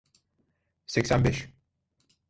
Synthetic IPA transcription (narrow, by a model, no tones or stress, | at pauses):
sɛcʲsænbɛʃ